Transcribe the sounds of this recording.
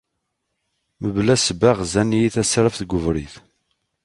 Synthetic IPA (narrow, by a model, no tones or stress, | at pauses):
məvlæsbæʁzænijiθæsɾəfθɡʷʊvɾiθ